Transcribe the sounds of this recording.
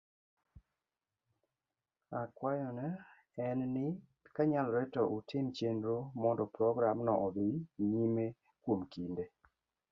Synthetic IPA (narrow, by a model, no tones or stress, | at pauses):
akwajɔnɛ | ɛnnɪ | kaɲalɾɛtɔʔutʰɪmt͡ʃendɾomɔndɔpɾɔɡɾamnɔʔɔbiɲime | kwomkinde